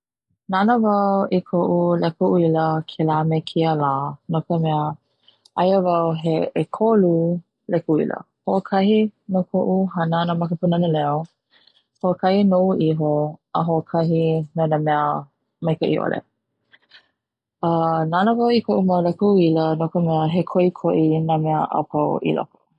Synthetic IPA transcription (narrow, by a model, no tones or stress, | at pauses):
nanəvawʔikʰoʔulɛkoʔuiləkʰelaːmekʰiəlaːnokəmɛə | ʔajəvawɦeːkʰolu | lɛkuḭlə̰ | hoʔokʰɐhinokʰoʔuɦanənamɐkəpunanəlɛo | hoʔəkʰɐhinouʔiɦoəɦoʔəkʰɐɦinonamɛə | mɐjkəʔḭʔo̰lʔḛ | ənanəvawikʰoʔumawlɛkuilənokəmɛəɦekʰoʔikʰoʔinamɛəʔa̰pʰawʔḭlɔ̰ko̥